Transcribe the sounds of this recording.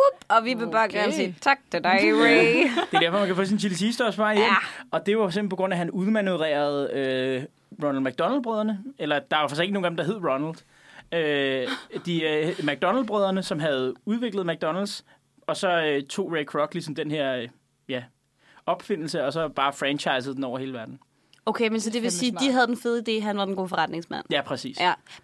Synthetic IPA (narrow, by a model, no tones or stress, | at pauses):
ub̥ɒʋiʋeb̥ɑːɡ̥ænsiːt͡sʰɑɡ̥̚t͡sʰedɑɪed̥e̝d̥æɐɒ̽mænkʰæfoːs̬int͡sʰilisʰiːsd̥ɒsb̥ɑ̈jenɒ̽d̥e̝ʋɑfɒ̥̽sembl̩pʰɒ̽ɡ̥ɔ̽næɦænuðˠmænuʋəʁɛ̰ːɐð̞ˠø | ʁɔnl̩d̥mæɡ̥̚d̥ɒ̽nl̩sbʁœðˠɐnəelɐd̥ɑ̈ɑfɑ̈se̥e̝ɡno̝ːŋdemd̥ɑ̈ɦe̝ð̞̰ˠʁɔ̽nld̥ | ø | d̥imæɡ̥̚d̥ɒ̽nl̩b̥ʁœðˠɐnəsɒ̽mɦæð̞̩ˠuðˠʋe̝ɡ̥ləð̩ˠmæɡ̥̚d̥ɒ̽nl̩ds | ɒ̽sɒ̽øt͡sʰo̝̰ːʁekʰʁɒ̽ɡ̥lisɒ̽md̥enɦe̝ɐ̰ | jæ | ɒ̽b̥fe̝n̰l̩səɒ̽sɒ̽b̥ɑ̈ːfʁænt͡ɕʰɑ̈ɪs̬ð̩ˠd̥en̩ɒʊ̰ɐɦe̝ːləʋæɐd̥n̩ | okʰemensɒd̥e̝ʋesi̥ːiɦæð̞ˠd̥enfe̝ð̞̩ˠid̥e̝̰ːɦænʋɑ̈d̥enɡo̝̰ːfɒʁäd̥ne̝ŋsmæn̰jæpʰʁɛsḭːs